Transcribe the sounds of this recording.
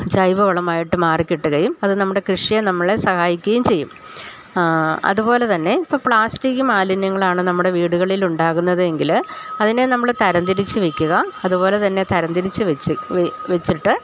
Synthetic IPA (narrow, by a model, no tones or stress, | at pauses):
d͡ʑɐjʋɐʋɐɭɐmaːjiʈːɨmaːrikʲːiʈːɨɣɐjumɐðɨnɐmːuɽe̞krɨʂijɐnɐmːɐɭesɐhaːjikʲːɐjumt͡ɕe̞jːum | ɐ̰ðupo̞ːle̞t̪ɐnːe̞ipːɐːpɭaːsʈikːumaːlinjɐŋːɐɭaːɳɨnɐmːuɽe̞ʋiːɽuɣɐɭiluɳɖaːɣunːɐðɨe̞ŋɡilɐðine̞nɐmːɐɭt̪ɐɾɐnd̪iɾit͡ɕːɨʋekʲːuɣɐɐðubo̞ːle̞t̪ɐnːe̞t̪ɐɾɐnd̪iɾit͡ɕːɨʋt͡ɕːʋet͡ɕːiʈːɨ